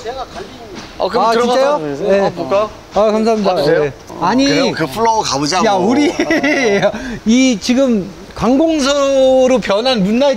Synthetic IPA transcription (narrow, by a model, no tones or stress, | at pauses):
ka | at͡ɕiejoje̞ | akamsʰaɦamɲidaje | aɲikɯpʰuɭːookabod͡ʑajauɾi | ait͡ɕiɡɯm | kwaŋɡoŋs̬ʰʌɾopjʌnɦanmunːa